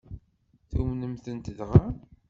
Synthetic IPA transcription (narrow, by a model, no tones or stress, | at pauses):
θumnəmθənt̪əðʁa